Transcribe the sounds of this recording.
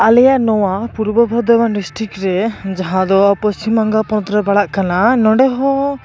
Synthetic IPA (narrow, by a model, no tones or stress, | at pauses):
alɛjanɔwapuɾbɔbʱɔd̪ɔbanɖisʈɾikʈɾɛd͡ʒaɦãd̪ɔpɔst͡ʃimːaŋɡapɔt̪ɾəbaɽaʔkananɔ̃ɖɛɦɔ